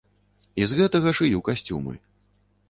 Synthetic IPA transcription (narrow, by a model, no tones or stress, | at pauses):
izɣɛt̪ɐɣɐʂɨjukasʲt͡sʲṵmɨ̰